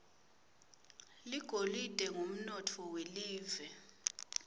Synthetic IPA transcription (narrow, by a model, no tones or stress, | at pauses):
liɡ̥ʱolid̥ʼɛŋom̩nɔtʰɔweliːvɛ